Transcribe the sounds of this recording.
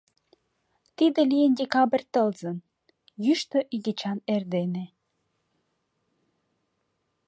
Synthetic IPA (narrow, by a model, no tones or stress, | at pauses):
t̪id̪ĕlijəndʲekɑbərʲt̪əlzən | jyʃt̪øʔiɡit͡ɕɑnerd̪ene